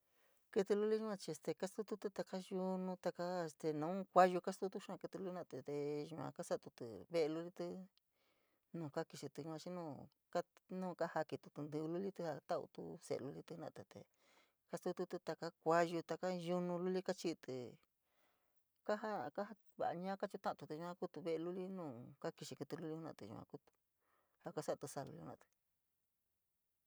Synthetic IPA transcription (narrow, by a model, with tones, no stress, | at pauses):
kɨ˧t̪u˧lu˦li˦ʒã˧t͡ʃi˧e˧st̪e˧ka˦st̪u˦t̪u˦t̪u˦t̪a˧ka˦ju˧nũ˧t̪a˧ka˦e˧st̪e˧nã˧˦ũ˦kʷa˦ʒu˧ka˦st̪u˦t̪u˦ʃã˦˧kɨ˧t̪u˧lu˦i˦nã˧˨˧t̪e˧t̪e˧ʒã̰˧ka˦sa˦˧t̪u˧t̪ɨ̰˧βe˦ʔe˧lu˧li˦t̪ɨ˦ | nũː˧˨ka˦ki˧ʃi˧t̪u˧ʒã˧t͡ʃi˦nũː˦˧ | ka˦nũ˦˧ka˦ha˧ki˧t̪u˧t̪u˧nd̪ɨ˧lu˦li˦t̪ɨ˦ha˧t̪a˦ṵ˧t̪ṵ˦sḛ˨˧lu˧li˦t̪ɨ˧˦nã̰˧˨t̪e˧t̪ḛ˨˧ | ka˦st̪u˦t̪u˧t̪u˧t̪a˧ka˦kʷa˦ʒu˧t̪a˧ka˦ju˧nũ˧lu˦li˦ka˦t͡ʃi˧t̪ɨ˧ | ka˦ɦa˦ka˦ɦa˧ | βa̰˧ʔɲãː˦ka˦t͡ʃi˧˦t̪ã˦ʔt̪u˧t̪i˧u˧ã˧˦ku˦t̪u˧βe˦˧lu˦li˦nũː˦˨ka˦ki˧ʃi˧ku˧t̪u˧lu˦li˦hu˦nã̰˧˨t̪ɨ̰˧˨ʒṵ˧kã̰˧ku˦t̪u̥˧ | ha˧ka˦sa˦ʔt̪u˧sa˧˨lṵ˧i˦u˧ã˧t̪ɨ̥˧